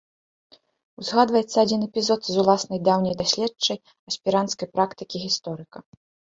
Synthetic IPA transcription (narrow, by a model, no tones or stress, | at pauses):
wzɣad̪vɐjɛt̪sːɐːd͡zʲinɛpʲizɔt̪zulˠasnɐjd̪awnʲɐjd̪asʲlʲɛt͡ʂɐj | ɐsʲpʲiɾant̪skɐjpɾakt̪ɨkʲiɣʲist̪ɔɾɨkɐ